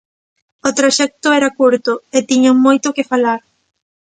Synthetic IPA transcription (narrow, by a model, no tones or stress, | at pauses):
ot̪ɾoʃɛk̚t̪ʊɛɾakuɾt̪ʊet̪iɲoŋmojt̪ʊkɪfalaɾ